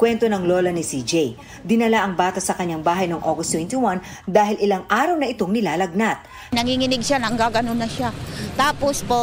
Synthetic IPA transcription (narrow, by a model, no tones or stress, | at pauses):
kwɛnt̪o̞nɐŋlo̞ːlɐnɪsid͡ʒɛj | d̪ɪnɐlaʔɐŋbaːt̪ɐsɐkɐɲːaŋbaːɦɐjnoŋʔoɡost̪wɛnt̪ɪwan | d̪aːɦɪlʔɪlaŋʔaːɾɐwnɐʔɪt̪o̞ŋnɪlaːlɐɡ̚nat̪̚ | nɐŋiŋɪnɪɡ̚ʃanɐŋɡaːɡɐnonːɐʃat̪aːpospo